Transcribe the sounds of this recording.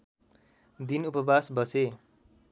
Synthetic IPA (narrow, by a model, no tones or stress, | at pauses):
d̪inupʌbasbʌse